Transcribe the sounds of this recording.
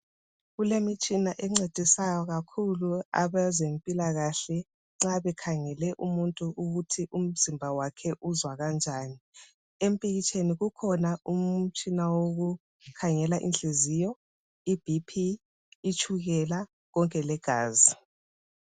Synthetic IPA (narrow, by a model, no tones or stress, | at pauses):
ɣulemit͡ʃʼinaʔɛŋ͡ǀed̥ʱisajɔɣakʰulua̰βazempʼilaɣaɬɛ | ŋ͡ǁaβɛkʰaŋɛlɛʔumuntʼuʔuɣutʰiʔum̩zimbʱawakʰɛʔuzwaɣand͡ʒʱaːni | empʼiɣit͡ʃʼeniɣukʰɔnaum̩t͡ʃʼinawoɣu | kʰaŋɛlaʔḭnɬezijɔ | ib̥ʱipʰiː | t͡ʃʰʼuɣɛla | ɣɔŋkʼɛlɛɡ̥ʱa̰ːzi